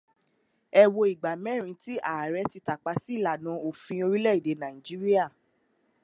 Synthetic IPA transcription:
ɛ˧wo˧i˨ɡ͡ba˨mɛ̃˦ɾ̃ĩ˧˦ti˦ʔa˨ɾɛ˨˦ti˧ta˨k͡pa˧˦si˦i˦˨la˨nã˨˦o˨fĩ˧o˧ɾi˦lɛ˦˨i˨de˨˦nã˨ĩ˨d͡ʒi˦ɾi˦a˦˨

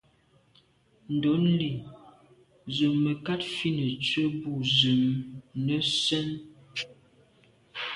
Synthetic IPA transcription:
n̩˨dɔ˨˦nli˨ | zə˨mːə˨ka˦tfi˦nə˨t͡sə˦bu˦˨zə˨mnə˦sɛ˦n

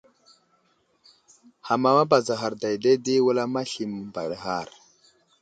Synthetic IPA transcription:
ha˨ma˨ma˦ba˨za˨ɦa˨ɾda˨jde˦di˦wu˦la˦ma˦ɬi˨m˨ba˨ɾə˦ɦa˦˨ɾ

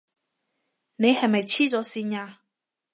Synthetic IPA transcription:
ne˨˧jhɐ˨˩mɐ˨jt͡ɕʰiː˥t͡sɔ˨˥si˧nɲaː˧

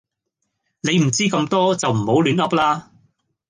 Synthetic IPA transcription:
ne˨˧jm̩˨˩t͡siː˥kɐ˧mt̪ɔː˥t͡sɐ˨wm̩˨˩ho˨˥wlyː˨˥nɐ˥p̚laː˥

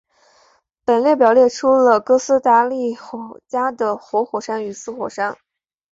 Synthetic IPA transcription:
pə˨˩nljɛ˥˩pjɑ˨˩ʊljɛ˥˩ʈ͡ʂʰu˥lə˨kɤ˥sɹ̩˥t̪a˥li˥˩xɔ˨˩t͡ɕja˥d̪ə˨xwɔ˧˥xwɔ˨˩ʂa˥ny˧˥sɹ̩˥xwɔ˨˩ʂa˥n

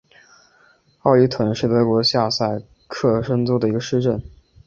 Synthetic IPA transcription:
ɑ˥˧ʊy˥˩t̪ʰwə˧˩˦ŋʂɻ̩˥˩t̪ɤ˧˥kwɔ˧˥ɕja˥˧sa˥˧ɪ | kʰɤ˥˩ʂə˥ŋt͡sɔ˥d̪ə˩i˧˥ɡə˧ʂɻ̩˥˧ʈ͡ʂə˥˩n

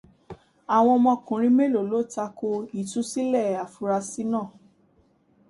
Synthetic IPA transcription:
a˨w̃ɔ̃˧mɔ̃˧kũ˨ɾ̃ĩ˧me˦lo˨lo˨˦ta˧ko˧i˨tũ˦si˦lɛ˦˨a˨fu˧ɾa˧si˦nãː˦˨

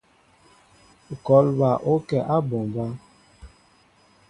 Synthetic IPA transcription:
kɔ˨˦lba˨ʔo˦kɛ˨ʔa˦bo˨mba˦

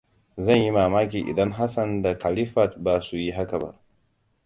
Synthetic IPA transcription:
zɐ˦˨nji˦maː˨maː˦k̬ʲiː˨ʔḭ˨dɐ˦ŋɦa˦sɐ˨nda˨ka˨li˦ɸa˨t̚ba˨su˦ji˦ɦa˦ka˨ba̰˦ʔ

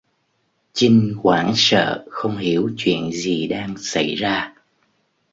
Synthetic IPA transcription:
t͡ɕi˧ŋ̟kwaː˧˩nsə̰ː˧˨xə˧wŋ͡mhi˧˩˦əwt͡ɕwḭ˧˨ənzi˨˩ɗaː˧ŋsa˧˩jzaː˧

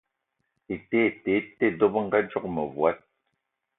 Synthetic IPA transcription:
e˨te˦˨te˨˦tːe˦do˦pŋ̩˦ɡa˦d͡ʒɔ˦k̚mə˨vwa˦t̚

